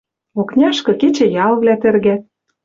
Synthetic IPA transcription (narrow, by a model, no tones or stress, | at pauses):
oknʲɑʃkɤ̆ket͡ɕĕjɑlβlʲæt̪ɘ̆rɣæ